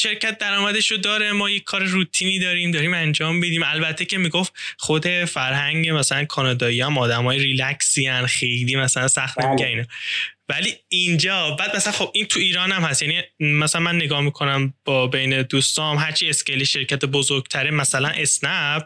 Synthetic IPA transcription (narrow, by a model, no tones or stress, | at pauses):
ʃe̞ɾcʰæt̪̚d̪æɾɒːmæd̪eʃod̪ɒːɾemɒːjecʰːɒːɾeɾuːt̪ʰiːniːd̪ɒːɾiːmd̪ɒːɾiːmænd͡ʒɒːmbid̪iːmælbæt̪ʰːe̞cʰe̞miɡoft̪χo̞d̪e̞fæɾɦæŋɟemæsælænkʰɒːnɒːd̪ɒːijɒæmɒːd̪æmɒːjeɾilæksiænxejliːmæsælænsæxt̪nemiɡæninɒvæliːind͡ʒɒːbæːd̪mæsælænxo̞bʔint̪ʰuiːɾɒːnæmhæst̪jænimæsælænmænːe̞ɡɒːhmikʰo̞næmb̥ɒːbejne̞d̪uːst̪ɒːmɦæɾt͡ʃʰiːe̞sceliʃe̞ɾcʰæt̪ʰebozoɾɡt̪ʰæɾemæsælænʔe̞snæb̥